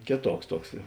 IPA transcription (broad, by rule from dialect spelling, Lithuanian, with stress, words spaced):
ˈkʲeːˌtuɔks ˈtuɔks